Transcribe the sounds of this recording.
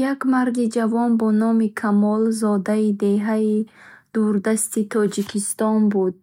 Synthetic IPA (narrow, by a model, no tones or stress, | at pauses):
jakmaɾd̪id͡ʒavɔnbɔnɔmikʰamɔlzɔd̪aid̪e̞ɦaid̪̥uɾd̪ast̪it̪ʰɔd͡ʒikʰist̪ɔnbud̪̚